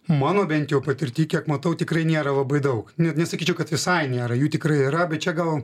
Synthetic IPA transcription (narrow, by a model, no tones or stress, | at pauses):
mɑːnoːbʲɛnʲt̪jɛʊpɐt̪ʲɪɾʲt̪ʲiːkʲiɛkmɐt̪ɐʊt̪ʲɪkɾɐɪnʲeːɾɐlˠɐbɐɪd̪ɐʊknʲɛnʲɛsɐkʲiːt͡ʃʲɛʊkɐt̪ʋʲɪsɐɪnʲeːɾɐjuːt̪ʲɪkɾɐɪɪɾɐbʲɛt̪t͡ʃʲɛɡɐlˠ